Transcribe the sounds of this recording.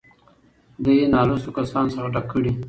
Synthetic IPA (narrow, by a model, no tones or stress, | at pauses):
d̪əjenɑlosokasɑnsəxaʈakʰːəɽi